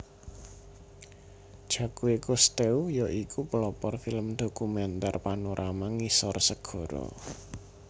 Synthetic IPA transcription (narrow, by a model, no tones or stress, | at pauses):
d̥ʒ̥a̤kuwekust̪eujɔʔikʰupəlɔpɔrfiləmd̪̥o̤kumɛnt̪arpanoɾʔamaŋisɔrsəɡ̥ɔ̤ɾɔ̰